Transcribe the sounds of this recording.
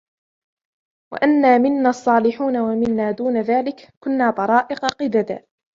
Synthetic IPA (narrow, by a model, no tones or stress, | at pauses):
wa̰ʔanːaːmɪnːaːʔɑsˤːɑːlɪħuːnawamɪnːaːd̪uːnaðaːlɪkkʊnːaːt̪ˤɑɾˤɑːʔɪqɑqɪd̪ad̪a̰ː